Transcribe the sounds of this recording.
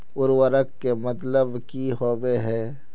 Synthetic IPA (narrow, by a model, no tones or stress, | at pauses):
ʊɾwəɾəkːemɐt̪ləbkiɦɔːbeɦɛː